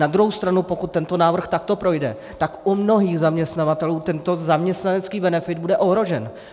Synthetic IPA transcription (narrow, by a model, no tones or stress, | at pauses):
nad̪ɾuɦowst̪ɾanupo̞kut̪ːɛnt̪o̞naːvr̩xt̪akt̪o̞pɾo̞jdɛ̰ | t̪akʔumno̞ɦiːxzamɲɛst̪navat̪ɛluːt̪ɛnt̪o̞zamɲɛst̪nanɛt͡skiːbɛnɛfɪd̪̚budɛʔoɦɾo̞ʒɛn